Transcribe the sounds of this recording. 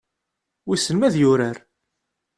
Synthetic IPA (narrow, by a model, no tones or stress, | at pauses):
wisənmæðjʊɾæɾ